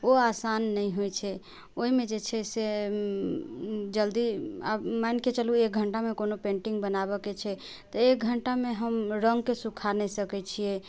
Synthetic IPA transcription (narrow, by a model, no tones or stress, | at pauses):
oasanːəjɦojt͡ʃʰɛ | oɦimed͡ʒet͡ʃʰɛse | d͡ʒəld̪ia̰bmanket͡ʃəluek̚ɡʱəɳʈamekonopẽɳʈiŋɡbənabəket͡ʃʰɛ | t̪əek̚ɡʱəɳʈameɦəmɾəŋɡkesukʰanɛsəkɛt͡ʃʰije